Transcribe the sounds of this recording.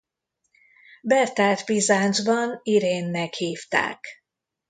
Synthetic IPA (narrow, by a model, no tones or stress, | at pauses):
bɛrt̪aːt̪bizaːnd͡ʒbɒniɾeːnːɛkhiːft̪a̰ːk